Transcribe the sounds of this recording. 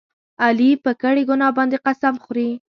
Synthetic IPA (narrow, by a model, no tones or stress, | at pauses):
alipəkəɽeɡʊnɑbɑnd̪eqasamxɾi